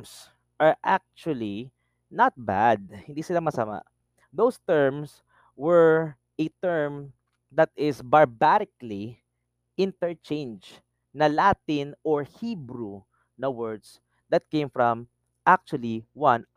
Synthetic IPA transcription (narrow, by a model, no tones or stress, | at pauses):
ms | ʔɐɹʔak̚t͡ʃuɐli | nat̪̚ba̰d̪̚hɪ̃nd̪iːsɪlamɐsɐma̰ | d̪owst̪ɛɹms | wɛɹ | ʔɛt̪ɛɹm | d̪ɐt̪ɪsbɐɹbaɾɪkli | ʔɪ̃nt̪ɛɹt͡ʃẽjnd͡ʒ | nɐlaːt̪ɪnɔɹhibɾu | nɐwɛɹd̪s | d̪ɐt̪̚kẽɪmfɹɐ̃m | ʔak̚t͡ʃʊɐliwãn